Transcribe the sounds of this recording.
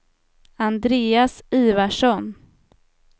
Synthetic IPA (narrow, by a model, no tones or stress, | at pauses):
and̪ɾeːasiːvaʂɔn